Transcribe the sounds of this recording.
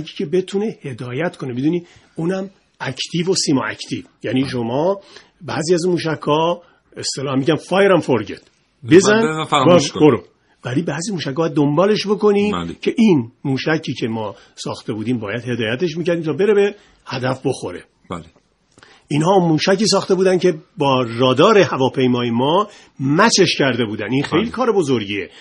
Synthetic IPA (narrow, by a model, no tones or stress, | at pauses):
ci̥ːcʰe̞be̞t̪ʰune̞hed̪ɒːjæt̪kʰo̞nebed̪uːni | uːnæm | æcʰt̪ʰiːvo̞simoæ̰cʰt̪ʰiːvjæːniːʃ̬omɒː | bæziæzunmuːʃækʰːɒː | est̪elɒhæmiːɟænfɒːjeɾæmfoɾɟḛt̪ | be̞zænbboɾo | bælibæːzimuːʃæcʰːbɔjæd̪ːombɒːle̞ʃbo̞ko̞nicʰe̞ʔinmuːʃæcʰiːcʰe̞mɒː | sɒ̰ːxt̪e̞buːd̪iːmbɒːjæd̪he̞d̪ɒːjæt̪eʃ̬miːcæɾd̪imt̪ʰːbe̞ɾebe | hæd̪æfbo̞xo̞̰ɾḛ | bl | ʔinhɒːmuːʃæciːs̬ɒːxt̪e̞buːd̪æncʰe̞bɒːɾɒːd̪ɒːɾe̞hævɒːpʰe̞jmɒːjemɒː | mæt͡ʃʰe̞ʃcæɾd̪e̞buːd̪æninxejlikʰɒːɾe̞bo̞zoɾɟiːḛ